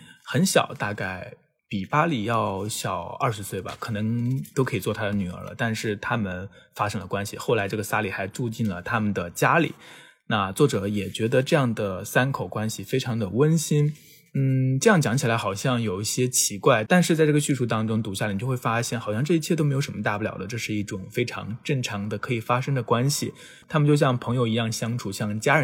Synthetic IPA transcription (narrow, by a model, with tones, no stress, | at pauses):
xə˧˥nɕjɑ̰˨˩ʊt̪a˥˧ka˥˩ɪ | pi˨˩pa˥li˨˩jɑ˥˩˧ʊɕjɑ˨˩ʊɐ̰˥˩ʂɻ̩˧˥swe˥˩ɪbɐ̰˨˩kʰɤ˨˩nɤ˧˥ŋt̪o˥kʰɤ˧˥i˨˩t͡swɔ˥˩t̪ʰa˥d̪ə˨ny˨˩ə̰˞˧˥lə̰˧t̪a˥˧nʂɻ̩˥˩t̪ʰa˥mə˨nfa˥ʂɤ˥ŋlə˨kwa˥nɕḭ˨xo˥˩ʊla˧˥ɪʈ͡ʂɤ˥˩ɡə˩sa˥li˨˩xa˧˥ɪʈ͡ʂu˥˧t͡ɕi˥˩nlə˩t̪ʰa˥mə˨nd̪ə˩t͡ɕja˥lḭ˨˩˦ | na˥˧t͡swɔ˥˩ʈ͡ʂɤ˨˧˥jɛ˨˩t͡ɕɥɛ˧˥d̪ə˧ʈ͡ʂɤ˥˧jɑ˥˩ŋd̪ə˩sa˥nkʰo˨˩ʊkwa˥nɕi˨fe˥ɪʈ͡ʂʰɑ˧˥ŋd̪ə˨wə˥nɕi˥n | n̩˥˩ʈ͡ʂɤ˥˧jɑ˥˩ŋt͡ɕjɑ˧˥ŋt͡ɕʰi˨˩la˧˥xɑ˨˩ʊɕjɑ˥˩ŋjo˨˩ʊi˥˩ɕjɛ˥t͡ɕʰi˧˥kwa˥˩ɪt̪a˥˧nʂɻ̩˥˧t͡sa˥˧ɪʈ͡ʂɤ˥˩ɡə˧ɕy˥˧ʂu˥˩t̪ɑ˥ŋʈ͡ʂʊ˥ŋt̪u˧˥ɕja˥˩˨jo˥˧wɪfa˥ɕjɛ˥˩nxɑ˨˩ɕjɑ˥˧ŋʈ͡ʂɤ˥˧i˥t͡ɕʰɛ˥t̪o˥me˧˥ɪjo˧ʊʂmə˧t̪a˥˧pu˩ljɑ̰˨˩ʊd̪ə˦ʈ͡ʂɤ˥˧ʂɻ̩˥˧i˥˩ʈ͡ʂʊ˨˩ŋfe˥ɪʈ͡ʂʰɑ̰˧˥ŋʈ͡ʂə˥˩ŋʈ͡ʂʰɑ˧˥ŋd̪ə˧kʰɤ˧˥i˨˩fa˥ʂɤ˥ŋd̪ə˨kwa˥nɕi˨ | t̪ʰa˥mə˨nt͡ɕjo˥˧ʊɕjɑ˥˩ŋpʰɤ˧˥ŋjo˧ʊi˧˥jɑ˥˩ŋɕjɑ˥ŋʈ͡ʂʰu˨˩ɕjɑ˥˩ŋt͡ɕja˥ə˧˥